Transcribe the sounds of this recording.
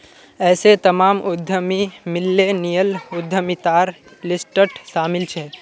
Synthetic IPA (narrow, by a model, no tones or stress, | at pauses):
ɛːset̪ɐmaːmʊd̪ʱəmimɪlːenijəlʊd̪ʱːəmit̪aːɾ | lɪsʈəʈʃaːmɪlt͡ʃʰɛ